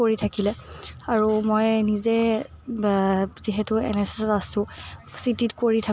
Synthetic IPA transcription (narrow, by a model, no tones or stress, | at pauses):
koɹitʰakilɛaɹumojnizɛ | ziɦɛtʊɛ̰nɛse̥sɔtasʊ̃sititkoɹitʰa